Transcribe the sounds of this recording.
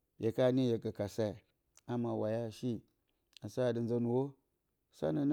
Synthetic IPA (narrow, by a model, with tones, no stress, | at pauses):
be˨ka˦ni˦je˨ɡa˨ka˨sa˦˨ | a˦ma˨wa˨ja˦˨ʃi˦ | a˨sa˦˨di˨nza˦nu˨wo˦ | sa̰˦na˨n˦